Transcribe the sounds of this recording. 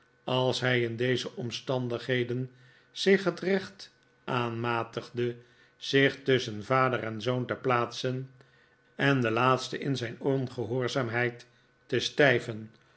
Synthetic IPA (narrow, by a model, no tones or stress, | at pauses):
ɑlˠsɦɛjɪndejzəʔɔmstɑndəχɦejdən | z̥ɪχɦətrɛχt | ʔaːnmaːtəχdə | z̥ɪχtʏsənvaːdərɛnzowntəplaːtsən | ɛndəlaːtstəʔɪnzɛjnɔnχəɦʊːɹzaːmɦɛjtː | əstɛjvən